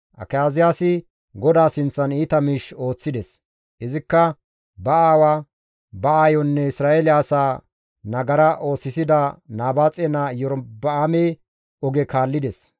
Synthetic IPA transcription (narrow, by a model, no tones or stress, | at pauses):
ʔɐ̰kɐjaːzɪjaːsɪ | ɡɔd̪aːsɪnt͡sːɐniːt̪ɐmiʃo̞ːt͡sːɪd̪ɛs | ʔɪzɪkːɐ | bɐaːwaː | bɐaːjɔnːɛɪsɾaːʔelɪaːsaː | nɐɡɐɾɐʔo̞ːsːɪsɪd̪ɐnaːbaːt͡sʼɛnaːjɔɾbɐaːme | ɔɡɛkaːlːɪd̪ɛs